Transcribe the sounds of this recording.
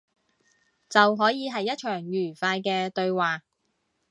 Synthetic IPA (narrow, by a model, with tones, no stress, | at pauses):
t͡sɐ˨wɦɔː˨˥jiː˨˧ɦɐ˨jːɐ˥t̚t͡ʃʰœː˨˩ŋjyː˨˩faː˧jkɛː˧t̪ɵ˧ɥwaː˨˩